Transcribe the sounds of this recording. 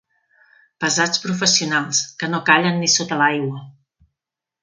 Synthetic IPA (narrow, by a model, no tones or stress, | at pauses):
pəzat͡spɾufəsiunalˠskənokaʎənːisot̪əlajɣwə